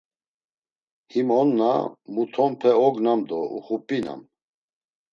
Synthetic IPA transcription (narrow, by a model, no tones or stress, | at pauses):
himɔnːa̰mut̪ʰɔmpʰɛɔɡnamd̪ɔṵχupʼina̰m